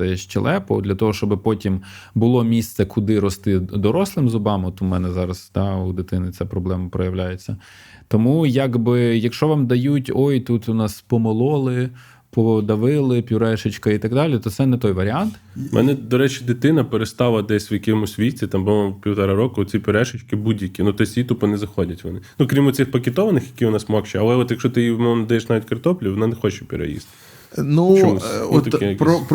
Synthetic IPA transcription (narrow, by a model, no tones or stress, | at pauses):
ɛʃt͡ʃḛlˠʔɛpɔ̰d̪lʲɐt̪ɔɦɔʃt͡ʃɔbɪpɔtʲim | bʊlˠɔmʲist̪sɛkʰʊd̪ɪɾɔst̪ɪd̪ɔɾɔslˠɪmzʊbɑmɔt̪ʊmɛnɛzɑɾɐsd̪̥ɑud̪ɪt̪ɪnɪt͡sʲapɾɔblˠɛmɐpɾɔjɐwlʲajet͡sʲːɐ | t̪ɔmujaɡbɪjɐkʃt͡ʃɔʋɑmd̪ɐjutʲɔjt̪ut̪ʊnɑspɔmɔlˠɔlˠɪ | pɔd̪ɐʋɪlˠɪpʲʊɾɛʃɪt͡ʃkɐit̪ɐɡd̪ɑlʲit̪ɔt̪sɛnɛt̪ɔjʋɐɾʲɪɑnt̪ | mɛ̰nɛd̪ɔɾɛt͡ʃɪd̪ɪt̪ɪnɐpeɾest̪ɑlˠɐd̪ɛsʲʋjɐkɪmʊsʲʋʲitʲit̪ɑmboʋmpʲiwt̪ɐɾɑɾɔkʊɔt̪t͡sʲipʲʊɾɛʃɪt͡ʃkɪbudʲjɐkʲinut̪ɔsʲit̪upʊnɛzɐxɔdʲɐtʲʋɔ̰nɪnukɾʲimɔt͡sʲɪxpɐkʲet̪ɔʋɐnɪxjɐkʲiʋɔnɑsmɔkt͡ʃɛɐlˠɛɔt̪jɐkʃɔt̪ɪimɔmmnd̪ɐjɛʃnɑʋʲitʲkɐrt̪ɔplʲiʋɔnɑnexɔt͡ʃɛpʲɪɾɐ̰jḭst̪ɪ | numuɔt̪pɾɔp